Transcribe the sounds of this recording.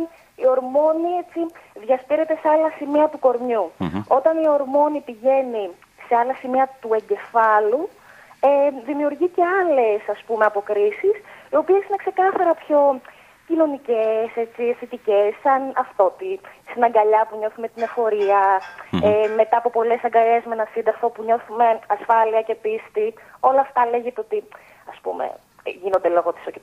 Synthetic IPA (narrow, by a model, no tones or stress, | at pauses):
io̞ɾmo̞nie̞t͡ssiðʝɐst̪iɾe̞t̪e̞seɐlɐsimiɐt̪uko̞ɾmɲuo̞t̪ɐnio̞ɾmo̞nipiʝe̞ni | se̞ɐlɐsimiɐt̪ue̞ɲɟe̞fɐlu | eðimiuɾʝice̞ɐle̞sɐspumeɐpo̞kɾisisio̞pie̞sine̞kse̞kɐθɐɾɐpço̞ | cino̞nicese̞t͡siθit̪ice̞sɐnɐft̪ot̪isinɐŋɡɐʎɐpuɲo̞θume̞t̪ine̞fo̞ɾiɐeme̞t̪ɐːpo̞po̞le̞sɐŋɡɐɾezmenɐsind̪ɐɾfo̞puɲo̞θume̞ɐsfɐliɐce̞pist̪i | o̞lɐːft̪ɐle̞ʝet̪eo̞t̪i | ɐspṵmḛ | ʝino̞nd̪elo̞ɣot̪i̥soce